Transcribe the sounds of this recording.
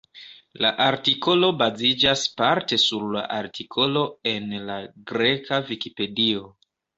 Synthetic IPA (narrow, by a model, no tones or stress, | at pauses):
la̰ʔaɾtiko̞lo̞bazid͡ʒaspaɾte̞suɾla̰ʔaɾtʰikʰo̞lo̞e̞nlaɡɾe̞kavikipe̞dio̞